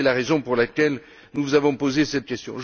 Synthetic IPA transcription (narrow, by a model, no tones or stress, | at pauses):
ɛlaʁezɔ̃puʁlakʲɛl | nuvuzavɔ̃pozesɛt̪̚kʲɛst̪jɔ̃ʒ